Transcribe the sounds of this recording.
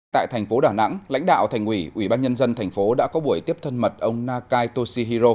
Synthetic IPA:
t̪a̰ː˧˨jt̪ʰɛ˨˩jŋ̟fo˨˦ɗaː˧˩na̰˧˥ŋla̰˧˥jŋ̟ɗa̰ː˧˨wt̪ʰa˨˩ŋ̟wi˧˩ʔwi˧˩ɓaː˧nɲə˧nzə˧nt̪ʰɛ˨˩jŋ̟fo˨˦ɗa̰ː˧˥kɔ˨˦ɓu˧˩əjt̪i˦˥əp̚t̪ʰə˧nmə˨˩t̚ʔə˧wŋ͡mnaː˧kaː˧jt̪o˧si˧ɦi˧zo˧

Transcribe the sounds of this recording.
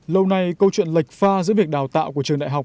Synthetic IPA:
lə˧wna˨˩jkə˧wt͡ɕwḭ˧˨ənla˨˩jk̟̚faː˧zɨ̰˧˥vi˨˩ək̚ɗaː˨˩wt̪a̰ː˧˨wku˧˩ət͡ɕəŋɗa̰˧˨ɦa˨˩wk͡p̚

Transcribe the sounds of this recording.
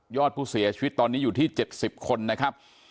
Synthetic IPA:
jɔː˥˩t̪̚pʰuː˥˩si˩˦ɐt͡ɕʰi˧wi˦˥t̪ːɔː˧nːiː˦˥juː˨˩t̪ʰiː˥˩t͡ɕe˨˩t̪̚si˨˩p̚kʰo˧nːa˦˥kʰa˦˥p̚

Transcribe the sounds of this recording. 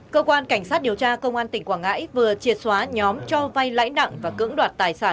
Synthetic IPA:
kəː˧kwaː˧nka˧˩jŋ̟sa˦˥t̚ɗi˨˩əwt͡ɕaː˧kə˧wŋ͡mʔaː˧nt̪ï˨˩ŋ̟kwaː˧˩ŋa̰ː˧˥jvɨ˨˩ət͡ɕi˨˩ət̚swaː˨˦ɲɔ˨˦mt͡ɕɔ˧va˧jla̰ː˧˥jna̰˧˨ŋvaː˨˩kɨ̰˧˥ŋɗwaː˨˩t̚t̪aː˨˩jsaː˧˩n

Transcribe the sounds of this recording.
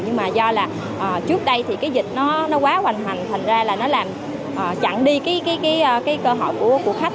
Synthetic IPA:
ɲɨ˧ŋmaː˨˩zɔ˧laː˨˩ | ʔəː˨˩t͡ɕɨ˦˥k̚ɗə˧jt̪ʰi˨˩kaː˨˦jzï˨˩k̟̚nɔ˨˦nɔ˨˦kwaː˨˦wa˨˩jŋ̟ɦwa˨˩jŋ̟t̪ʰa˨˩ŋ̟zaː˧laː˨˩nɔ˨˦laː˨˩m | ʔəː˨˩t͡ɕa̰˧˨ŋɗi˧kaː˨˦jkaː˨˦jkaː˨˦jʔə˧kaː˨˦jkəː˧ɦɔ̰˧˨jku˧˩əku˨˩ək̚xa˦˥k̚

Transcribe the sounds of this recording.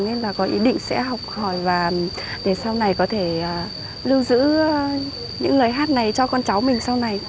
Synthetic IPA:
ŋɲe˧nlaː˨˩kɔ˨˦ʔḭ˨˦ɗḭ̈˧˨ŋ̟sɛ̰˧˥ɦa˨˩wk͡p̚hɔ˧˩jvaː˨˩ | ɗe˧˩sa˧wna˨˩jkɔ˨˦t̪ʰe˧˩əː˨˩ | lɨ˧wzɨ̰˧˥ | ɲɨ̰˧˥ŋləː˨˩jɦaː˦˥t̚na˨˩jt͡ɕɔ˧kɔ˧nt͡ɕa˨˦wmï˨˩ŋ̟sa˧wna˨˩j

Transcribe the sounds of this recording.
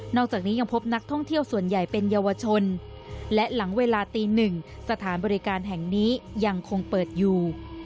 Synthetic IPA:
nɔː˥˩k̚t͡ɕaː˨˩k̚niː˦˥ja˧ŋpʰo˦˥p̚na˦˥k̚t̪ʰɔ˥˩ŋt̪ʰi˥˩əwsu˨˩ənja˨˩jpe˧njaː˧wa˧t͡ɕʰo˧n | lɛ˦˥ʔla˩˦ŋweː˧laː˧t̪iː˧nɯ˨˩ŋsa˧t̪ʰaː˩˦nbɔː˧ɾi˦kaː˧nɦɛ˨˩ŋniː˦˥ja˧ŋkʰo˧ŋpɤː˨˩t̪̚juː˨˩

